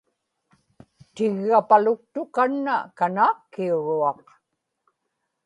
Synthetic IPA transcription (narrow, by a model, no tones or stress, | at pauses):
t̪ɪɣːapalʊk̚t̪ʊkanːa̰kanaːkːiuɻuɑq